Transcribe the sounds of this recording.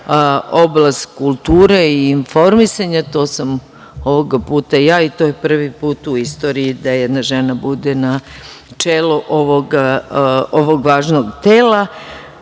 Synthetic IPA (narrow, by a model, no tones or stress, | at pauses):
o̞blast̪kulˠt̪uːɾeiːnfo̞ɾmisaɲat̪o̞ːsam | o̞ʋoɡapuːt̪ajaːit̪o̞jepr̩ʋipuːt̪uist̪o̞ːɾiid̪ajɛd̪naʒe̞nabud̪enat͡ʃeːluʔo̞ʋoɡ | oʋo̞ɡʋaːʒno̞ɡt̪eːla